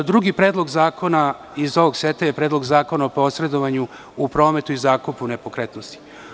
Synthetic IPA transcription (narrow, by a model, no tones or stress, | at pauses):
d̪ɾuɡipɾe̞ːd̪lˠo̞ɡzaːkʰo̞na | izo̞ʋoɡset̪aje̞pɾe̞ːd̪lˠoɡzaːko̞naopo̞sɾe̞d̪oʋaɲu | upɾo̞ːme̞t̪uizaːkupunepokɾet̪nost̪i̥